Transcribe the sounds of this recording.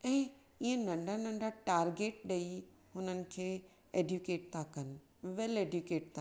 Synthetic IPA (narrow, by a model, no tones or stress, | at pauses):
ɛ̃ː | iə̃nɐ̃ɳɖʱanɐ̃ɳɖʱaʈaːɾɡeːʈ̚ɗɐi | ɦʊnənɪ̆kʰeː | eːɖjukeːʈ̚t̪ʰãkɐnɪ̆ | ʋɛleːɖjukeːʈ̚t̪ʰã